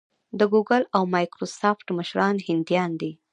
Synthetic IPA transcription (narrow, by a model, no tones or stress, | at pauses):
d̪əɡuɡalawmɑjkɾosɑfʈməʃɾɑnhɪnd̪jɑnd̪i